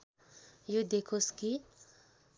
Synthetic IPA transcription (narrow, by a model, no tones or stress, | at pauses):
jod̪ekʰoski